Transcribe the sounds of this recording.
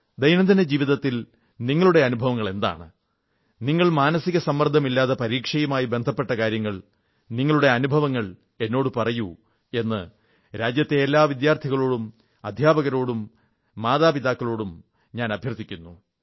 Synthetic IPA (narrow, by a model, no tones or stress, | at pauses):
d̪ɐjnɐnd̪ined͡ʑiːʋiðɐt̪ːil | niŋːɐɭuɽe̞ɐnubʱɐʋɐŋːɐɭe̞nd̪a̰ːɳɨ̰ | niŋːɐɭmaːnɐsiɣɐsɐmːɐrd̪ʱɐmilːaːðɐpɐɾiːkʂɐjɐmaːjibe̞nd̪ʱɐpːe̞ʈːɐkaːɾjɐŋːɐɭ | niŋːɐɭuɽe̞ɐnubʱɐʋɐŋːɐɭ | e̞nːo̞ːɽupɐrɐju | e̞nːɨ | ɾaːd͡ʑjɐt̪ːe̞ːlːaːʋid̪jaːrt̪ʰiɣɐɭo̞ːɽum | ɐd̪ʱjaːbɐɣɐɾo̞ːɽumː | aːðaːpiðaːkːɐɭo̞ːɽum | ɲaːnɐbʱjɐrt̪ʰːikʲːunːu